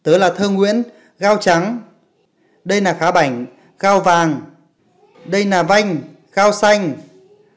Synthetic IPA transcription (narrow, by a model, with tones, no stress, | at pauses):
t̪əː˨˦laː˨˩t̪ʰəː˧ŋwḭ˧˥ən | ɣaː˧wt͡ɕa˨˦ŋ | ɗə˧jlaː˨˩xaː˨˦ɓa˧˩jŋ̟ | ɣaː˧wvaː˨˩ŋ | ɗə˧jlaː˨˩va˧jŋ̟ | ɣaː˧wsa˧jŋ̟